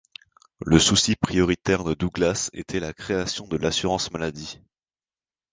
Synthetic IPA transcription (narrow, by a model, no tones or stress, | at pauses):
ləsusipχijɔʁit̪ɛʁd̪əd̪uɡlasḛt̪ʰɛlakχeasjɔ̃d̪əlasyʁɑ̃smalad̪i